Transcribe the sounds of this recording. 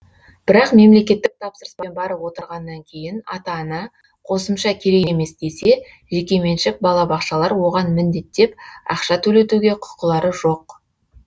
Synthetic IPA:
b̥ɪɾɑqme̞mle̞kʲe̞t̪ːɪk̚t̪ʰɑpsəɾəsbɑnbɑɾəpwo̞t̪əɾʁɑnːɑŋkʲʰe̞jɪnɑt̪ɑnə | qʰo̞səmʃɑkʲʰe̞ɾeɡme̞sd̪e̞se̞ | ʒe̞kʲe̞me̞nʃɪk̚bɑlˠɑbɑqʃɑlˠɑɾwo̞ʁɑnmɪnd̪e̞t̪ːe̞p̚ɑ̰qʃɑt̪ʰɵle̞t̪uɡʲe̞qʰʊ̥qəlˠɑɾəʒo̞q

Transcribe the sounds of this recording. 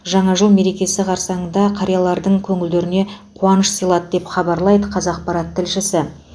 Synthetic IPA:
ʒɑɴɑʒəlˠme̞ɾe̞kʲe̞sɪqʰɑɾsɑɴənd̪ɑqʰɑɾijɑlˠɑɾd̪əɴkʲʰɵŋɪld̪e̞ɾɪne̞qʰuɑnəʃsijlˠɑd̪əd̪e̞pχɑbɑɾlˠɑjd̪əqʰɑzɑq̚pɑɾɑt̪ʰːɪlʃɪsɪ

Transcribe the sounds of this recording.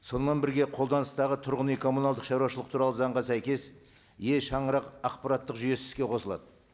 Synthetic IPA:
so̞nəmenbɪɾɡʲe̞qʰold̪ɑnəst̪ɑʁət̪ʰʊɾʁənijkʰo̞munɑlˠd̪əqʃɑɾuɑʃəlˠəq̚t̪ʰuɾɑlˠəzɑɴʁɑsæjkʲe̞s | je̞ʃɑɴəɾɑqɑqpɑɾɑt̪ːəqʒʏje̞sɪz̥kʲe̞qʰo̞səlˠɑ̰d̪ə

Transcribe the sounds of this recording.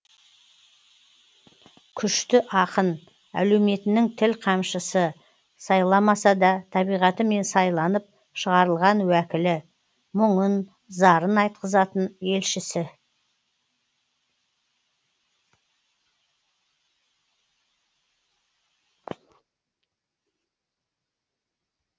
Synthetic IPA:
kʲʰʏʃt̪ɪʔɑqən | æ̰lewme̞t̪ɪnɪŋt̪ʰɪlqʰɑmʃəsə | sɑjlˠɑmɑsɑd̪ɑt̪ʰɑbijʁɑt̪əme̞nsɑjlˠɑnəp̚ | ʃəʁɑɾəlˠʁɑnwækʲɪlɪ | mʊɴən | zɑɾənɑjt̪̚qəzɑt̪əne̞lʃɪsɪ

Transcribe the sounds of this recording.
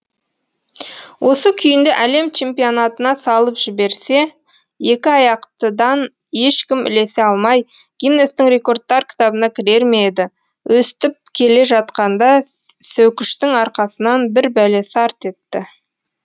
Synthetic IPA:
wʔo̞səkʲʰʏjɪnd̪e̞ʔæle̞mt͡ʃʰe̞mpionɑt̪ənɑsɑlˠəpʒ̥ɪbe̞ɾse̞ | je̞kʲɪɑjɑqt̪əd̪ɑn | e̞ʃkʲɪmɪ̰le̞se̞ɑlˠmɑjɡ̥ʲijnːest̪ɪŋɾe̞ko̞rd̪̚ːɑɾkʲʰɪ̥t̪ɑbənɑkʲʰɪɾe̞ɾmeed̪ɪ | wʔɵst̪ɪp̚kʲʰe̞le̞ʒɑt̪̚qɑnd̪ɑsɵwkʲɪʃt̪ɪŋɑɾqɑsənɑnbɪɾbælesɑɾt̪e̞t̪ːɪ

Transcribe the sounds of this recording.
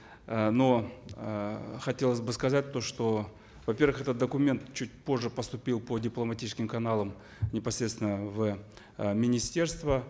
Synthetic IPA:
no̞ | xɐtʲe̞lˠəsʲbɨskɐzat̚ʲt̪oʂt̪o̞ | vɐpʲervɨxɛt̪ət̪d̪əkʊmʲe̞nt̪t͡ɕut̚ʲpo̞ʐːɨpəst̪ʊpʲilˠpodʲɪplˠəmɐtʲit͡ʃt͡ɕɪ̥skʲɪmkɐnalˠəm | nʲɪpɐsʲɾʲet̪svʲɪnəvə | mʲɪnʲɪsʲtʲe̞rst̪və

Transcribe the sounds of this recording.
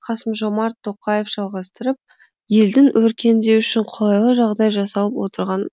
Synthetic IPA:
qʰɑsəmʒo̞mɑɾt̪ʰːo̞qɑje̞fʒ̥ɑlˠʁɑst̪əɾəp̚ | je̞ld̪ɪŋwɵɾkʲe̞nd̪e̞ʏʃɪɴqʰolˠɑjlˠəʒɑʁd̪ɑjʒɑsɑlˠəpwo̞t̪əɾʁɑn

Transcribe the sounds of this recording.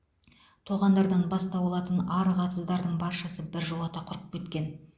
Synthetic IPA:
t̪ʰoʁɑnd̪ɑɾd̪ɑnbɑst̪ɑbolˠɑt̪ənɑɾʁɑt̪əzd̪ɑɾd̪əɴbɑɾʃɑsəbɪɾʒulˠɑt̪ɑqʰʊɾəqp̚kʲe̞t̪kʲe̞n

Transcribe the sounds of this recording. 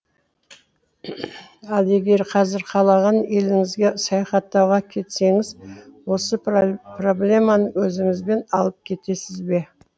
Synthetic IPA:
ɑlˠe̞ɡʲe̞ɾqʰɑzɪɾqʰɑlˠɑʁɑnje̞lɪŋɪzɡʲe̞sɑjɑχɑt̪ːɑwʁɑkʲʰe̞t̪se̞ŋɪzwo̞səpro̞blʲe̞mɑnəwɵzɪŋɪzbe̞nɑlˠəp̚kʲʰe̞t̪e̞sɪzbe̞

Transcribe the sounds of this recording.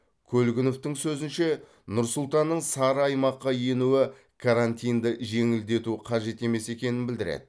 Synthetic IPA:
kʲʰɵlɡʲɪnoft̪ɪŋsɵzɪnʃe̞ | nʊɾsʊlˠt̪ɑnːəɴsɑɾəɑjmɑqːɑje̞nuwɪ | kʰaɾant̪ʲijnd̪ɪʒe̞ŋɪld̪e̞t̪uqʰɑʒe̞t̪e̞me̞se̞kʲe̞nɪnbɪld̪ɪɾḛd̪̥ɪ

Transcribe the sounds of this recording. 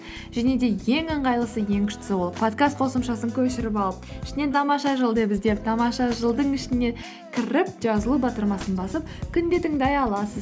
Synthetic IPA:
ʒæne̞d̪e̞je̞ŋəɴʁɑjlˠəsəje̞ŋkʲʰʏ̥ʃt̪ɪ̥sɪwo̞lˠəpʰot̪kast̪̚qʰo̞səmʃɑsəŋkʲʰɵʃɪɾɪpɑlˠəp̚ɪʃɪne̞t̪ʰɑmɑʃɑʒəlˠd̪ebɪzd̪e̞p̚t̪ʰɑmɑʃɑʒəlˠd̪əɴɪʃɪne̞ | kʲʰɪɾɪp̚ʒ̥ɑzəlˠubɑt̪əɾmɑsənbɑsəp̚kʲʰʏnd̪e̞t̪ɪŋd̪ɑjɑlˠɑsəz

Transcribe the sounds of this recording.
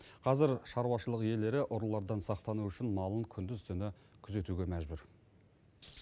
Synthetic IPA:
qʰɑzɪɾʃɑɾwɑʃəlˠəqje̞le̞ɾɪʔʊɾlˠːɑɾd̪ɑnsɑqt̪ɑnuʏʃɪnmɑlˠəŋkʲʰʏnd̪ɪzt̪ʰʏnɪ | kʲʰʏze̞t̪uɡʲe̞mæʒbʏɾ

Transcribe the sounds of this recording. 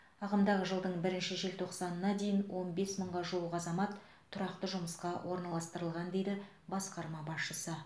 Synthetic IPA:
ɑʁəmd̪ɑʁəʒəlˠd̪əɴbɪɾɪnʃɪʒelt̪ʰo̞qsɑnənɑd̪e̞jɪnwo̞nbe̞sməɴʁɑʒuw̪ˠəqɑzɑmɑt̪ʰː | ʊɾɑqt̪əʒʊməsqɑwʔo̞ɾnɑlˠɑst̪əɾəlˠʁɑnd̪e̞jd̪ɪ | bɑsqɑɾmɑbɑsʃəsə

